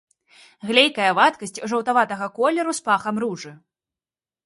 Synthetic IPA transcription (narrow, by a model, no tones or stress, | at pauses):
ɣlʲejkɐjɐvat̪kɐsʲt͡sʲʐɐwt̪avat̪ɐɣɐkɔlʲɛɾuspaxɐmruʐɨ